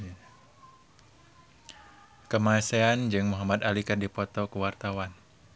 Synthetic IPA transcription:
kəmasɛand͡ʒɨŋmuɦamad̪alikardipɔt̪ɔkəwart̪awan

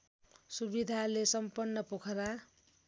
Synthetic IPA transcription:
subid̪ʱalesʌmpʌnːʌpokʰʌɾa

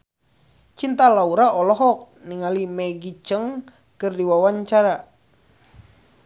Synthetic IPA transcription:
t͡ʃint̪alauɾaʔɔlɔɦɔk̚ | niŋalimɛɡit͡ʃəŋ | kɨrdiwawaɲt͡ʃaɾa

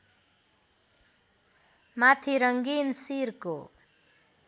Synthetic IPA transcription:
mat̪ʰiɾʌŋɡinsirko̰

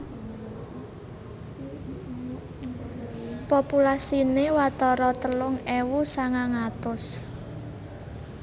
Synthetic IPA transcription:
populasinewat̪ɔɾɔt̪əlʊŋɛwusaŋaŋat̪ʊs

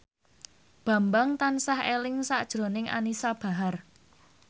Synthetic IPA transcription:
b̥ä̤mbaŋt̪ansahelɪŋsaʔd̥ʒ̥ɾo̤nɪŋʔa̰nisab̥a̤ɦar

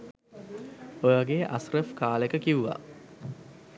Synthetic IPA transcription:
ojaɡeːʔasrəfkaːlekəkiʋuʋa̰

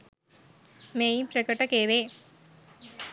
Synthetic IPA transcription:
meːjipɾɐkɐʈːɐkeːʋe

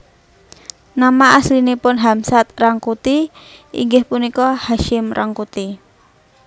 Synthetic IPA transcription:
namaʔaslinipʊnɦamsat̪̚raŋkut̪iḭŋɡəhpunikɔhaʃɪmrʔaŋkut̪i

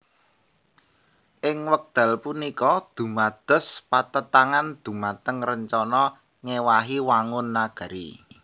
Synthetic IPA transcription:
ʔɪŋwək̚d̪̥a̤lpunikɔd̪̥ṳmad̪̥ə̤spat̪ət̪aŋand̪̥ṳmat̪əŋrəɲt͡ʃɔnɔ | ŋewaɦiwaŋʊnːaɡ̥ə̤ɾḭ

